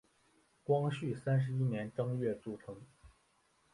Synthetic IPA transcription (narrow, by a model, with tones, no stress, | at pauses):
kwɑ˥ŋɕy˥˩sa˥nʂ̬ɻ̩˧˥i˥njɛ˧˥nʈ͡ʂɑ˥ŋɥɛ˥˧ʈ͡ʂu˥˩ʈ͡ʂʰɤ˧˥ŋ